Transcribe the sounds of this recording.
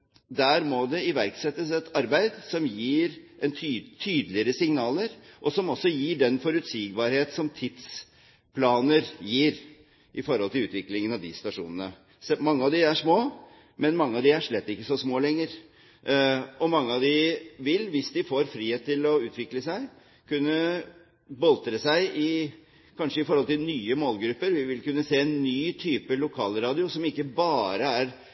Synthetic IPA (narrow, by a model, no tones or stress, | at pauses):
d̪æːɾmɔd̪ɛɪʋæɾksɛt̪ːəsɛt̪ɑɾbæɪd̪sɔmjiːɾʔɛnt̪ʰyːt̪ʰyːd̪lɪəɾəsɪŋnɑːləɾʔɔsɔmɔsːɔjiːɖɛnfɔɾʉt̪siːɡbɑɾheːt̪sɔmt̪ʰɪt̪s | pʰlɑːnəɾjiːɾ | ʔɪfɔɾhɔlt̪ɪlʉːt̪ʋɪklɪŋənɑʋd̪ɪst̪ɑʂṵːnənə | smɑŋːəɑʋd̪ɪæʂmoː | mɛnmɑŋːəɑʋd̪ɪæʂɭɛt̪ːɪkːəsɔsmoːlɛŋːəɾ | ɔmɑŋːəɑʋd̪ɪʋɪlʋɪsd̪ɪfoːɾfɾiːheːt̪̚ʰːɪlɔʉːt̪ʰʋɪkləsæɪ | kʉnːə | bɔlt̪ɾəsæɪʔɪ | kʰɑnʂəɪfɔɾhɔlt̪ɪlnyːəmoːlɡɾʉpːəɾʋɪʋɪlkʉnːəseːɛnːyːt̪ʰyːpəlʊkʰɑ̰ːlɾɑːd̪ɪʊsɔmɪkːəbɑːɾəæɾ